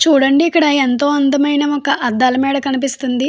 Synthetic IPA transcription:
t͡ʃuːɽɐɳɖiːkːɐɽɐent̪o̞ːɐnd̪ɐmɐjnɐɔkɐʔɐd̪ːaːlɐmiːɽɐkɐnipist̪und̪i

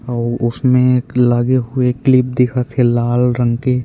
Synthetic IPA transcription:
ɔːɾʊsmẽlaːɡeɦʊeklɪp̚d̪ɪkʰat̪ʰelaːlɾə̃ŋɡke

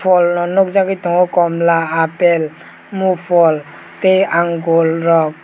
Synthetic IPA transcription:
pʰɔlnɔnɔk̚zakit̪ɔŋɔkɔmlaːpel | mupʰɔl | t̪ejaŋɡɔlɾɔk̚

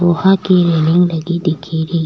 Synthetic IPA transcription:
ohakiɾeːnɪŋɡlɐɡid̪ikʰeːɾi

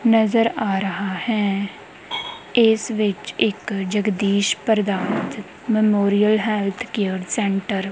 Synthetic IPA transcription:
nəzəɾaːɾəɦaːhɛː | ɪsʋɪt͡ʃɪkd͡ʒəɡd̪iːʃpəɾd̪aːnt̪ | mɛmoːɾijəlɦɛːlt̪ʰkeəɾsɛ̃ːɳʈəɾ

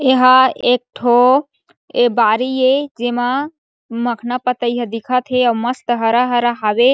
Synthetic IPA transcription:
eɦaek̚ʈʰo | ebaɾijed͡ʒema | məkʰnapət̪əjɦəd̪ikʰat̪ʰeawməst̪əɦəɾaɦəɾaɦabe

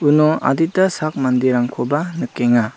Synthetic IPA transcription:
unɔa̰dit̚dasak̚mandiɾaŋkʰɔbanɯkːeŋa

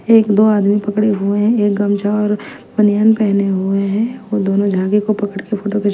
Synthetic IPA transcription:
eːkd̪oːaːd̪mipɐkɽeɦueɦɛ̃eːk̚ɡɐmd͡ʒaɔːɾ | bɐnjaːnpɛɦneɦueɦɛ̃ʋod̪oːnõd͡ʒʱaːɡikopɐkəɽkefʰoːʈoke

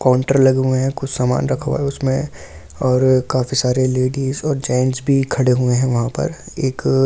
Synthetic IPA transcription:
kaːʊ̃ɳʈəɾlɐɡɦuẽɦɛ̃kʊt͡ʃʰsaːma̰ːnɾɐkʰʋa̰ɦɛʊsmẽ | ɔːɾkaːfisaːɾeleːɖiːzɔːɾd͡ʒaːɪə̃ɳʈsbʱikʰɐɽeɦueɦɛ̃ʋɐɦãpɐ̰ɾ | eːk

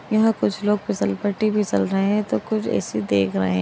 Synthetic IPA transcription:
jɐɦãkʊt͡ʃʰloːɡ̚pɪsəlpəʈːibʱit͡ʃɐlɾɐɦẽɦɛ̃t̪okʊt͡ʃʰɛ̰ːsid̪eːkʰɾɐ̰ɦeɦɛ̃

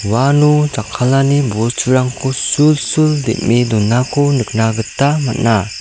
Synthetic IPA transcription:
wanud͡ʒakʰːalanibɔɾt͡ʃʰuɾaŋkʰosulsuld̪ḭʔ̚mid̪ɔnːakʰɔnɯk̚naɡɯt̪ːamat̚na

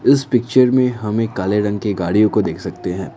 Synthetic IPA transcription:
ɪspɪk̚t͡ʃəɾmẽɦɐmekaːleɾɐ̃ŋɡ̚keɡaːɽijõkod̪eːkʰsɐkt̪eɦɛ̃ː

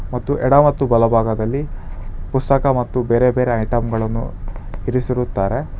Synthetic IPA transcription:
mɐt̪ːuʔɛɽamɐt̪ːubɐlɐbʱaːɡɐd̪ɐlːipust̪ɐkɐmɐt̪ːubeːɾe̞be̞ːɾe̞ɐjʈɐmɡɐɭɐnːṵiɾisiɾut̪ːaːɾe̞

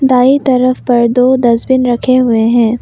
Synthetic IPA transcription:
d̪aːit̪ɐɾəfpɐɾd̪oːd̪ɐzbɪnɾɐkʰeɦʊeɦɛ̃ː

